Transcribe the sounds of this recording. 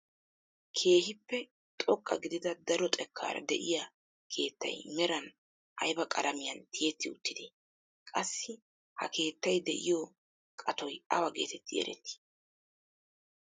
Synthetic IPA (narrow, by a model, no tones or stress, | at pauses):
kʰe̞ːhɪpːɛ | t̪ʼɔkʼːɐ̰ɡɪd̪ɪd̪ɐd̪ɐɾɔt̪ʼɛkʰːa̰ːɾɐ̰d̪ɛʔɪjɐ | kʰe̞ːt̪ːɐ̰jmɛɾɐn | ʔɐjbɐkʼɐɾɐmɪjɐnt̪ʰɪjɛt̪ːɪʊt̪ːɪd̪ɪ | kʼɐsːɪ | hɐ̰kʰe̞ːt̪ːɐjd̪ɛʔɪ̰jɔ | kʼɐt̪ɔjɐwɐɡe̞̰ːt̪ʰɛt̪ʰːɪjɛ̰ɾʔɛ̰t̪ːɪ̥